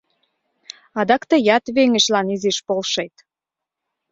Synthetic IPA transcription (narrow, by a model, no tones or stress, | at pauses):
ɑd̪ɑkt̪ə̆jɑt̪βeŋəʃlɑniziʃpolʃet̪